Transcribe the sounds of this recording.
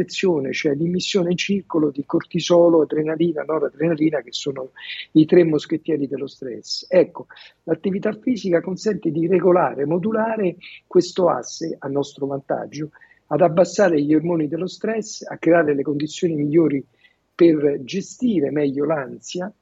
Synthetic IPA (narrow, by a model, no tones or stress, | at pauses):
et̪sːjoːnet͡ʃoɛlːimːisːjoːneint͡ʃirkolod̪ikort̪izɔːloat̪ːɾenaɾiːnanɔɾad̪ɾenaɾiːnakesːoːnoit̪ɾemːosket̪ːjɛːɾid̪elːost̪ɾɛ̰sːɛkːolat̪ːivit̪afːiːzikakonsɛnt̪ed̪ireɡolaːɾemod̪ulaːɾekwest̪oa̰sːeanːɔst̪ɾovant̪a̰d͡ʒːo | ad̪abːasːaːɾeʎːormoːnid̪elːost̪ɾɛsːa̰kːɾeaːɾelekond̪it̪sːjoːnimiʎːoːɾi | perd͡ʒest̪iːɾemɛʎːolansja